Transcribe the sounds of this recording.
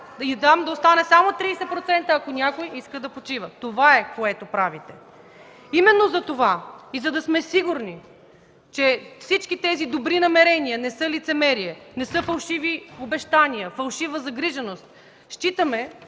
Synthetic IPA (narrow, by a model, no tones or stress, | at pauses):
id̪amd̪ɐost̪anɛsamot̪ɾiːsɛt̪̚pɾot̪sɛnt̪əːkonʲakojiskəd̪ɐpot͡ʃivət̪ovaɛkoɛt̪opɾavit̪ɛ | imɛnːozɐt̪ovaizɐd̪ɐsmɛsiɡʊɾni | t͡ʃɛfsit͡ʃkit̪ɛzid̪obɾinɐmɛɾɛniənɛsɤlit̪sɛmɛɾiɛnɛsɤfɐlˠʃiviobɛʃt̪aniəfɐlˠʃivəzɐɡɾiʒɛnost̪̚ | ʃt͡ʃit̪əmɛ